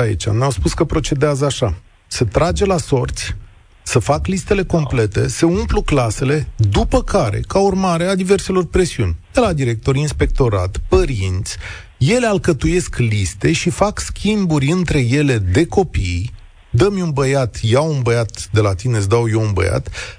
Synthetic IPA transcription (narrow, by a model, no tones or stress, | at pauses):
aḭt͡ʃʲa̰mnawspuskəpɾo̞t͡ʃe̞d̪eazəaʃa | sət̪ɾad͡ʒe̞laso̞rt̪sʲ | səfaklist̪e̞le̞ko̞mple̞t̪e̞̰səumpluklase̞le̞d̪upəkaɾe̞̰kaurmaɾe̞ad̪ive̞rse̞lo̞rpɾe̞siunʲd̪̥e̞lad̪iɾe̞k̚t̪o̞ɾinspe̞k̚t̪o̞ɾa̰t̪pəɾint̪sʲ | je̞lealkət̪uje̞sklist̪e̞ʃifakskʲimburʲɨnt̪ɾe̞je̞le̞d̪e̞ko̞pij | d̪əmʲunbəjat̪jawunbəjat̪d̪e̞lat̪ine̞sd̪awje̞unbə̰ja̰t̪